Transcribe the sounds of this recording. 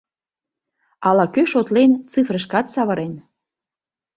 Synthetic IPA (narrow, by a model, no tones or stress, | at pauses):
ɑlɑkøʃot̪lent͡sɨfrə̆ʃkɑt̪sɑβəɾen